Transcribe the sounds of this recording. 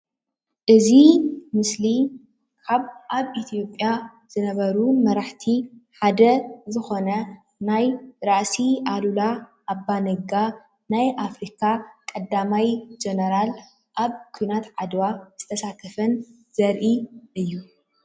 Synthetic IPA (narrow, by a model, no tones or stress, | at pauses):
ʔɨzimɨsli | kʰaβʔaβit̪ʰijo̞pʼːja | z̥ɨnɐβɐɾumɐɾaħt̪ʰiħad̪ɐzɨxo̞nɐ | najɾaʔsiʔalulaʔːbːanɐɡa | najʔafɾikʰakʼɐd̪amajd͡ʒɛnɐɾal | ʔaβkʰujnat̪ʕad̪waz̥ɨt̪ʰɐsat̪ʰɐfɐn | z̥ɐɾʔiʔɨjːu